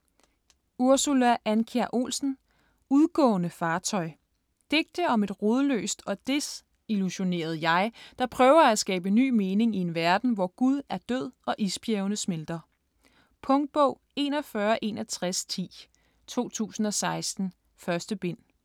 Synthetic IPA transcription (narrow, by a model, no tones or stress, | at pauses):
uɐsulæʔænkʰeɐʔo̝̰ːlsn̩ | uðˠɡ̥ɔ̰̽ːnəfɑ̈ːt͡sʰɒ̽ɪ | d̥e̝ɡ̥̚d̥əɒ̽me̝d̥ʁoð̞ˠlø̰ːsd̥ɒ̽d̥e̝s | iluɕo̝ne̝̰ːɐð̞̩ˠjɑ̈ɪd̥ɑ̈pʰʁœːʊɐæsɡ̥ɛ̰ːb̥əny̰ːme̝ːne̝ŋie̝nʋæɐd̥n̩ʋɒɡ̥uð̞ˠæɐd̥øð̞̰ˠɒ̽ʔisb̥jeʊnəsmeld̥ɐ | pʰɔ̽ŋd̥̚b̥ɔ̽ʊ̰ | e̝nɒfɶːɐʔe̝ːnɒt͡sʰʁast͡sʰḭː | t͡sʰo̝̰ːt͡sʰṵːsn̩ɒ̽sɑ̈ɪsd̥n̩ | fɶɐsd̥əb̥e̝n̰